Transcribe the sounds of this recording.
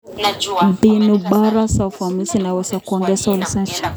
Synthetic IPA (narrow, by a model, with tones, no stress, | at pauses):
binu˨ba˦ɾa˦sa˨fa˨mi˦si˦na˨wɛsa˨kɔ˨ŋɡɛ˦sa˦ulisa˦t͡ʃḁ